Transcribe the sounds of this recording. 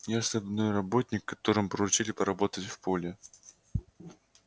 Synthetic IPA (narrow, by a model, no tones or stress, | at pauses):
jaɐsobʲnojrɐbo̞tʲnʲɪkːɐt̪o̞ɾɨmpɾəʊt͡ɕilʲɪpəɾɐbo̞t̪ətʲfpolʲɪ